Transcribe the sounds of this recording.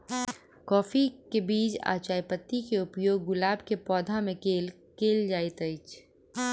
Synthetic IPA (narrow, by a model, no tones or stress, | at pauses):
kɔːfikebiːt͡ʃa̰ːt͡ʃaːjpət̪ːikeʊpjoːɡːʊlaːbʱkepɔːd̪ʱamẽkeːl | keːld͡ʒaːit̪əɪt͡ʃ